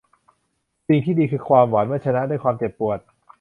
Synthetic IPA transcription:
si˨˩ŋt̪ʰiː˥˩diː˧kʰɯː˧kʰwaː˧mwaː˩˦nmɯː˥˩t͡ɕʰa˧na˦˥ʔduː˥˩jkʰwaː˧mt͡ɕe˨˩pːu˨˩ət̪̚

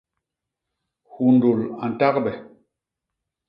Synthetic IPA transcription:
hu˨n˨do˨la˨n̩˨ta˦k̚ɓɛ˨

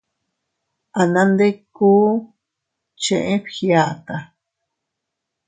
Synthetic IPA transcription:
a˨nã˧nd̪e˦kuː˦ | t͡ʃẽ˧ʔẽ˦ɸxja˨t̪a˨

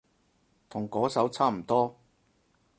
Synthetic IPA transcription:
t̪ʰʊ˨˩ŋkɔː˨˥sɐ˨˥wt͡sʰaː˥m̩˨˩t̪ɔː˥

